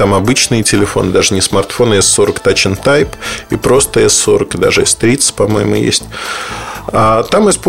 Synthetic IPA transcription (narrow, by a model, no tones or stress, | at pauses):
t̪amɐbɨt͡ɕnɨjətʲɪlʲɪfo̞̰nɨd̪aʐɨnʲɪsmɐrt̪fo̞nɛsːo̞ɾəkt̪at͡ɕɪnt̪ajpipɾo̞st̪əɛsːo̞ɾəkɨd̪a̰ʐɨɛst̪ɾʲit̪sə̥tʲpɐmo̞̰jɪmʊ̰jḛsʲtʲ | at̪amɨsp